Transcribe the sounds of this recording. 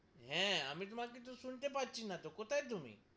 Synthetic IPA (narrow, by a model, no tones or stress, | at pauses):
ɦɛ̃ə̰mĩːt̪̬ʊmãkit̪osʊɳt̪ep̬at̪̚t͡ʃinat̪okot̪aet̪̬ʊmḭ̃ː